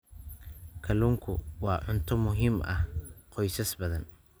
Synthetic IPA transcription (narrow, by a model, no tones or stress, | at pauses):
kʰɐluːŋkʰʊ̰wɑːʕʊnt̪ʰɔmʊɦiːmʔɐhqɔjsɐsbɐðɐn